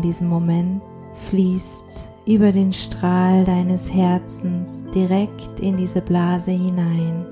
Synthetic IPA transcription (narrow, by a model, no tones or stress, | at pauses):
diːzəmːomɛnt | fliːst | ʔyːbɐdeːnʃtʁ̥aːldaɪnəshɛɐt͡sn̩sd̥iʁɛktɪndiːzəblaːzəhɪnaɪn